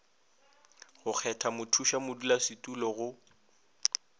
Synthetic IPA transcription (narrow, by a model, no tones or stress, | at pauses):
ɣʊk͡xʰɛtʰamʊtʰuʃamʊdulasɪtʼulɔɣʊ